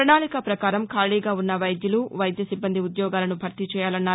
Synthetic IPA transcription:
ɾɳaːɭikɐpɾɐkaːɾɐmkʰaːɭiːɡaːunːɐʋɐjd̪jɐluʋɐjd̪jɐsibːɐnd̪iud̪jɔːɡaːlɐnubʱɐɾt̪it͡ʃɛːjaːlɐnːaːɾu

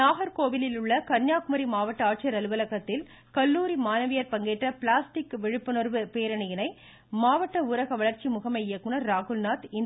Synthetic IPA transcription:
naːɣɐɾkoːʋɪlɪlɯɭːɐkɐɾɲɲaːkmɐɾimaːʋɐʈːɐaːʈ̚t͡ʃɪjɐɾɐlɯʋɐlɐɣɐt̪ːɪl | kɐlːuːɾimaːnɐʋɪjɐɾpɐŋɡeːʈrɐpɪɭaːsʈɪkːʋɪɻɯpːɯnɔɾʋɯpeːɾɐɳɐjɐnɐɪ | maːʋɐʈːɐʊɾɐɣɐʋɐɭɐɾt͡ʃimʊɣɐmɐɪjɐkːɯnɐɾːaːɣɯlnaːt̪ɪn

